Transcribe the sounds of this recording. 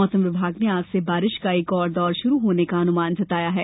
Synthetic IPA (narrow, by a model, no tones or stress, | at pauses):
ɔːsəmʋɪbʱaːɡneaːpsebaːɾɪʃkaeːkɔːɾd̪ɔːɾʃʊɾuɦoːnekaɐnʊmaːnd͡ʒɐt̪aːjaɦɛː